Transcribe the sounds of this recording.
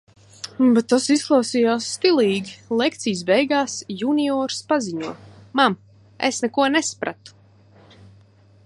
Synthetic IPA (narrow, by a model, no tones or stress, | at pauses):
bet̪ːasisklˠawsijaːsːt̪ilˠiːɡʲilˠɛkt̪sijsbɛjɡaːsjuniɔːɾspaziɲuɔmam | ḛsnɛkuɔnɛspɾa̰t̪u̥